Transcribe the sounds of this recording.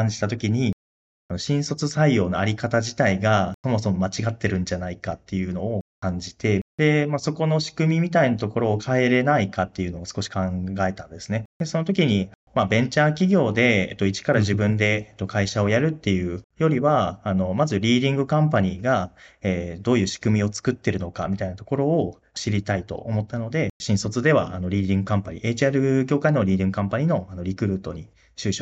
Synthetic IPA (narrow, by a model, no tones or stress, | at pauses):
ãɲ̟d͡ʑit̪at̪o̞kʲiɲ̟i | ano̞ɕĩɰ̃so̞t͡sɨsaijo̞ːno̞aɾʲikat̪aʑit̪aiɡaso̞mo̞so̞mo̞mat͡ɕiɡat̪ːe̞ɾɯ̟̃ɲ̟d͡ʑanaikat̪ːe̞jɯ̟no̞ːkãɲ̟d͡ʑit̪e̞d̪̥e̞maso̞ko̞no̞ɕi̥kɯ̟mʲimʲit̪ainat̪o̞ko̞ɾo̞ːkʰae̞ɾe̞naikat̪ːe̞jɯ̟no̞ːsɨ̥ko̞ɕi̥kãŋɡae̞t̪ãnd̪e̞sɨne̞d̪̥e̞so̞no̞t̪o̞kʲiɲ̟i | mabẽ̞ɲt͡ɕaːk̬ʲiɡʲo̞ːd̪e̞et̪ːo̞it͡ɕi̥kaɾaʑibɯ̟̃nd̪e̞et̪ːo̞kaiɕao̞jaɾɯ̟t̪ːe̞jɯ̟ːjo̞ɾʲiβaːno̞mazɨɾʲiːd̪ʲĩŋɡɯ̟kãmpaɲ̟iːɡaeːd̪o̞ːjɯ̟ːɕi̥kɯ̟mʲio̞t͡sɨ̥kɯ̟t̪ːe̞ɾɯ̟no̞ka̰mʲit̪ainat̪o̞̥ko̞ɾo̞ː | ɕiɾʲit̪ait̪o̞̰ʔomo̞t̪ːano̞d̪e̞ɕĩsot͡sɨd̪e̞β̞a̰ano̞ɾʲiːd̪ʲĩŋɡɯ̟kãmpaɲ̟ḭʔeːt͡ɕiaɾɯ̟ɡʲo̞ːkaino̞ɾʲiːd̪ʲĩŋɡɯ̟kãmpaɲ̟iːno̞ano̞ɾʲikɯ̟ɾɯ̟ːt̪o̞ɲ̟i | ɕɨːɕo